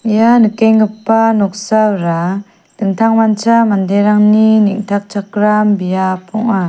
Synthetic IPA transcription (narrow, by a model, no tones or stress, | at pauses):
ijanɯkeŋːɯpːanɔk̚sawɾa | dɯŋt̪ʰaŋmant͡samandeɾaŋniniŋtʰak̚t͡ʃʰakɾambijapʰɔŋa